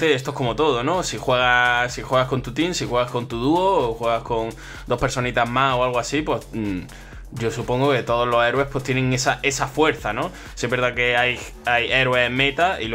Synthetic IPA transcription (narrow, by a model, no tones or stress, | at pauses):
t̪eest̪oko̞mo̞t̪o̞ðono̞sixweɣasixwe̞ɣahko̞nt̪ut̪insixwe̞ɣahko̞nt̪uðuoːxwe̞ɣako̞ŋ | d̪o̞hpeɾso̞nit̪aɦmao̞alɣoasipwe̞s | ɟ͡ʝo̞supo̞ŋɡoke̞t̪o̞ð̞o̞ɦlo̞se̞ɾwe̞hpwe̞ht̪jenẽ̞ŋesaʔe̞safwe̞ɾθanõ̞ | sieβjeɾðake̞aj | aje̞ɾwe̞semẽ̞t̪aḭl